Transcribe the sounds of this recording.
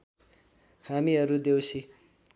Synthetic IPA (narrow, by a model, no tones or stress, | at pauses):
hamiʌɾud̪ewsʰi